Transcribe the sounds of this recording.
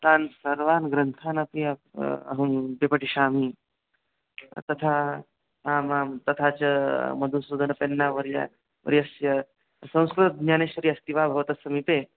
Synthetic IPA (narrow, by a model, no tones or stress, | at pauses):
t̪aːnsɐɾʋaːnɡɾɐnt̪ʰaːnɐpiɐɐ̰ɦɐ̃mbepɐʈiʃaːmiː | t̪ɐt̪ʰa | aːmaːt̪ɐt̪ʰaːt͡ʃɐmɐd̪ʱunsuːd̪ʱɐnɐpenːaʋɐɾija̰ | ʋɐ̰ɾiɐsjɐ | sɐ̃w̃skɾut̪ɲaːneːʃʋɐɾiːɐst̪iʋaːbʱɐʋɐt̪ɐsɐmiːpeː